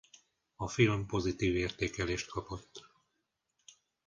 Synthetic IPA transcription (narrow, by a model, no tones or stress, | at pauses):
ɒfilmpo̞zit̪iːveːrt̪eːkɛleːʃt̪̚kʰɒpo̞t̪ː